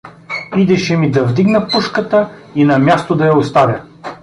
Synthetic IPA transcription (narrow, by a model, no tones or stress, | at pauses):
id̪ɛʃɛmid̪ɐvd̪iɡnəpuʃkət̪əinɐmʲjast̪od̪ɐjɐost̪avʲjə